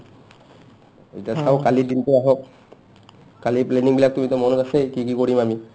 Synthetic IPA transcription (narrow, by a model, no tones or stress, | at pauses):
etiasaʊkalidintuaɦɔk̚ | kalipleniŋbilak̚tumitɔmɔnɔkasekikikoɹimami